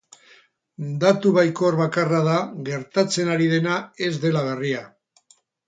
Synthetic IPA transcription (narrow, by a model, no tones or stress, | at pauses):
d̪at̪uβajkoɾβakaraðaɣe̞ɾt̪at͡se̞naɾið̞e̞nae̞zd̪e̞laβ̞e̞ria